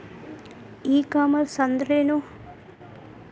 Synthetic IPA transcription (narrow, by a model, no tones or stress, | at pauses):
iːkamɐsɐnd̪ɾeːnu